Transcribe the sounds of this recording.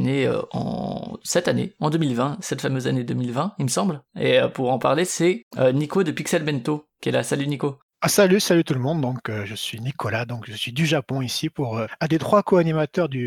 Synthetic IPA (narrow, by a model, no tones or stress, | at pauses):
neø̰ɑ̰̃sɛt̪anḛɑ̃d̪əmilvɛ̃sɛt̪famøzaned̪əmilvɛ̃ilməsɑ̃blḛøpuʁɑ̃paʁlesɛønikod̪əpiksɛlbɛnt̪okʲiɛlasalyniko | asalysalyt̪uləmɔ̃d̪ːɔ̃køʒəsɥinikʰɔlad̪ɔ̃kʒəsɥid̪yʒapɔ̃isipuʁøãd̪et̪χwakoanimat̪œʁd̪y